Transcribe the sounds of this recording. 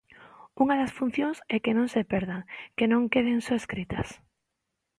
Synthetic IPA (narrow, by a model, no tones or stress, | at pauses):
uŋaðɐsfun̟θjõŋsɛkenõŋsepɛɾðaŋkenõŋkeð̞eŋsoeskɾit̪ɐs